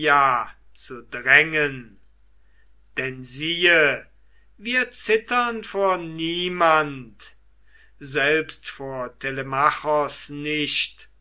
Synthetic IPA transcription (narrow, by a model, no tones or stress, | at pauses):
jaː | t͡sudʁɛŋən | d̥ɛnziːə | viːɐt͡sɪtɐnfoːɐniːmant | zɛlpstfoːɐtʰelemaχɔsnɪʃt